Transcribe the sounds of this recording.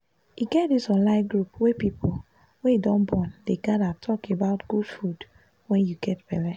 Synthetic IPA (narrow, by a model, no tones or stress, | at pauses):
jiɡɛt̚disɔ̃nlãɪɡɹupwepipʰol | wɛ̃idɔ̃nbɔ̃ndeɡadatʰɔkebaʊtɡ̥ud̥fud | wɛ̃njuɡɛtbɛlɛ